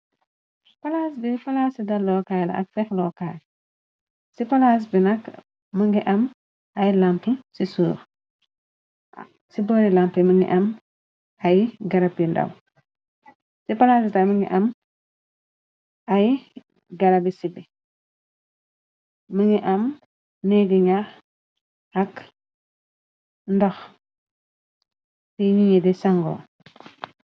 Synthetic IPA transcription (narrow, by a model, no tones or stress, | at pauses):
pɐlasbifɐlaːsidɐlɔːkaːjlɐ̰ɐ̰kfɛxlɔːkal | sifɐlas̬binɐkː | əŋɡiʔɐm | ɐjlampəsisuːɾ | sibɔɾilampiməŋɡḭʔɐm | ɐjɡɐɾɐpjindɐ̰w | sipalatitaməŋḭʔam | aj | ɡaɾabisibi | məŋiʔam | nɛɡiɲa | ak | ndax | tiɲiɲidɛsaŋɡɔ̰